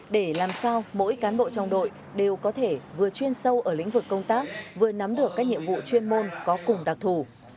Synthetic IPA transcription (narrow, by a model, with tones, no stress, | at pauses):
ɗe˧˩laː˨˩msaː˧wmo̰˧˥jkaː˨˦nɓo̰˧˨t͡ɕɔ˧wŋ͡mɗo̰˧˨j | ɗe˨˩wkɔ˨˦t̪ʰe˧˩vɨ˨˩ət͡ɕwi˧ənsə˧wʔəː˧˩lḭ̈˧˥ŋ̟vɨ˨˩kːə˧wŋ͡mt̪aː˦˥k̚vɨ˨˩əna˨˦mɗɨ˨˩əkːaː˦˥k̚ɲḭ˧˨əmvṵ˧˨t͡ɕwi˧ənmo˧nkɔ˨˦kʊ˨˩ŋ͡mɗa˨˩k̚t̪ʰu˧˩